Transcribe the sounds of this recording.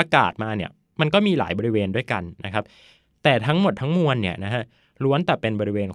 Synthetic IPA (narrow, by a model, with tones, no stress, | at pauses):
a˧ka̰ː˨˩t̪̚maː˧ni˥˩ɐ | ma˧nkɔː˥˩miː˧la̰ː˩˦jbɔː˧ɾi˦˥weː˧ndu˥˩əjka˧nːa˦˥kʰa˦˥p̚ | t̪ɛː˨˩t̪ʰa˦˥ŋmo˨˩t̪ʰːa˦˥ŋmu˧ənːi˥˩ɐna˦˥kʰa˦˥ʔ | lu˦˥ənt̪ɛː˨˩pe˧nbɔː˧ɾi˦weː˧n